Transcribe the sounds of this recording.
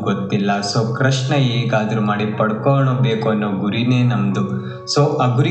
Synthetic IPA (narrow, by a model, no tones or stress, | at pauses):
ɡot̪ːilːɐsoːkɾɐʂɳɐeːɡaːd̪ɐɾumaːɽipɐɽkoːɳobeːkuɐnːoːɡuɾine̞ːnɐmd̪u | soːʔɐɡuɾi